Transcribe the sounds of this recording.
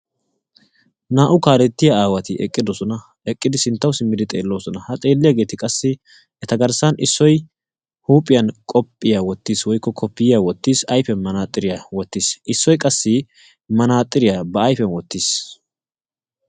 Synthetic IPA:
naːʔʊkaːlɛt̪ːɪjɐaːwɐt̪ɪɛ̰kʼːɪd̪ɔsɔnɐ | ɛkʼːɪd̪ɪsɪnt̪ːɐwsɪmːɪd̪ɪt̪ʼe̞̰ːlːo̞ːsɔnɐhɐt̪ʼe̞ːlːɪjaɡe̞ːt̪ɪkʼɐsːɪ | ɛt̪ɐɡɐɾsɐnʔɪsːɔj | huːpʼːɪjɐnkʼɔpʼːɪjawɔt̪ːiːswɔjkːɔkʰɔpːɪjɪjawɔt̪ːiːsɐjfɛnmɐnaːt̪ʼːɪɾɪjawɔt̪ːiːsʔɪsːɔjkʼɐsːɪ | mɐnaːt̪ʼːɪɾɪjabɐːjfɛnwɔt̪ːis

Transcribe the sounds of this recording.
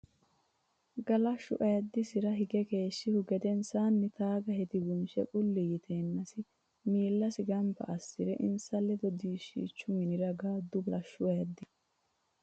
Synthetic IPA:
ɡɐlɐʃʊ̰ʔɐjɐd̪ːɪsɪɾɐɦɪɡɛkeːʃːɪhʊɡɛd̪ɛnsaːnːɪt̪aːɡɐɦɛt̪ɪɡʊnʃɛ̰kʼʊlːɪjɪt̪ʰeːnːɐsɪ | miːlːɐsɪɡɐmpɐ̰ʔɐsːɪɾɛʔɪ̰nsɐlːɛd̪ɔd̪iːʃḭːt͡ʃːʊmɪnɪɾɐɡaːd̪ʊblɐʃʊʔɐjɐd̪ːɪ

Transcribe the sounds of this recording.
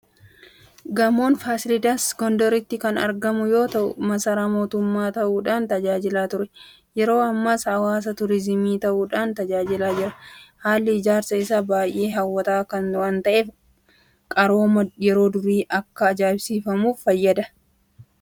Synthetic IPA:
ɡɐmo̞ːnfaːsɪlɪd̪aːsɡɔnd̪ɔɾɪt̪ːɪkɐnɐɾɡɐmʊjo̞ːt̪ɐʔʊ̰mɐsɐɾamo̞ːt̪ʊmːaːt̪ɐʔuːᶑaːnt̪ɐd͡ʒaːd͡ʒɪlaːt̪ʊɾɛ | jɛɾo̞ːɐmːashɐwaːs̬ɐt̪ʊɾɪzɪmiːt̪ɐʔuːᶑaːnt̪ɐd͡ʒaːd͡ʒɪlaːd͡ʒɪɾɐhaːlːɪɪd͡ʒaːɾsɐɪsabaːjʔe̞ːɦɐwːɐt̪aːkɐnʊɐnt̪ɐʔeːf | kʼɐɾo̞ːmɐjɛɾo̞ːd̪ʊɾiːʔɐkːɐːd͡ʒaːɪbsiːfɐmuːfːɐjːɐd̪ɐ

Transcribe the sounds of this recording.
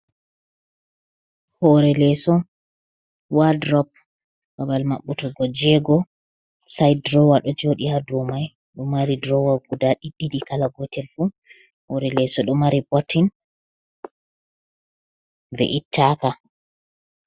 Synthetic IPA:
hɔɾɛlɛsɔ | wadɾɔp̚ | babalmaɓːutɔɡɔd͡ʒɛɡɔ | sajdɾɔwaɗɔd͡ʒoɗihadɔmaj | ɗɔmaɾidɾɔwaɡudaɗiɗːiɗikalaɡɔtɛlfu | hɔɾɛlɛsɔɗɔmaɾibɔtːin | vɛ̰ʔitʰːaka

